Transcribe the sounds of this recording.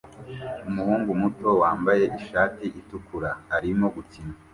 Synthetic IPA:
umuhuːŋɡumuto̞waːmbaje̞ʔiʃaːtiʔitukuɾaːɾimo̞ɡut͡sina

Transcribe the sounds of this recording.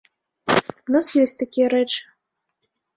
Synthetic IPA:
unasjɔsʲtʲt̪akʲijɐɾɛt͡ʂɨ̥

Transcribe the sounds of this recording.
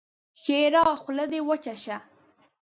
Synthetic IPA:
xeɾɑːxləd̪ewət͡ʃaʃa

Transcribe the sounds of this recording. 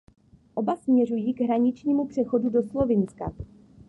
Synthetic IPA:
ʔo̞basmɲɛrujiːɡɦɾaɲɪt͡ʃɲiːmupr̥ɛxo̞dudo̞slo̞vɪnska̰

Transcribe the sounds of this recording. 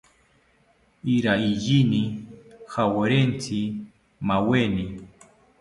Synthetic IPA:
iɾaijinixaweɾent͡sʰi | maweni

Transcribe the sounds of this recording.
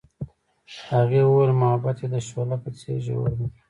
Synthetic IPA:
haɣewəwelmahabat̪ed̪əʃolapət͡sḛʒḛwə̰ɾd̪i

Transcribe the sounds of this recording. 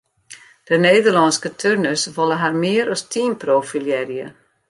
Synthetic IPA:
d̥əneːdərlɔnskətʰørnəsʋɔlˠəɦarmɪəɾɔstʰinproːfiljɛrjə

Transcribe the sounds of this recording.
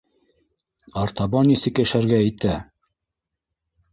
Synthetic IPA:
ɑɾt̪ɑbɑnisɘ̆kɘ̆ʃæɾɡæɘ̆t̪æ

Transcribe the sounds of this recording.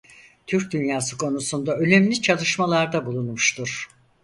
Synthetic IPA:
t̪ʰyɾc̚d̪ynjaːsɯkʰo̞nusund̪aø̞nʲemlʲit͡ʃʰalˠɯʃmalˠaɾd̪abulˠunmuʃt̪ʰuɾ̥

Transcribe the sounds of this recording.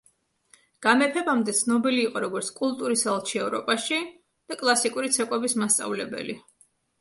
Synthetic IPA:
ɡ̥amɛpʰɛbamd̪ɛt̪sʰnɔbiliːqʼɔɾɔɡɔɾt̪sʰkʼulˠt̪ʼuɾisalˠt͡ʃʰiɛvɾɔ̰pʼaʃi | d̪̥akʼlˠasikʼuɾit̪sʰɛkʼwɛbismast̪sʼa̰vlɛbɛ̰lḭ

